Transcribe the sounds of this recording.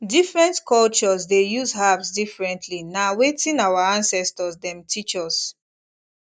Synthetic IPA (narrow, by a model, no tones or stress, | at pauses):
difɹɛ̃ntkɔlt͡ʃɔsdejuzɦavsdifɹɛ̃ntʰlinawetĩnawaãnsɛstɔsdɛ̃mtʰit͡ʃɔs